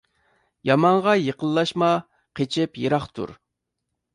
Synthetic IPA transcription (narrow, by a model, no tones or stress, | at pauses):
jɑmɑɴʁɑjeqəlˠːɑʃmɑ | qʰet͡ʃʰɪpjeɾɑχt̪ʰṵɾ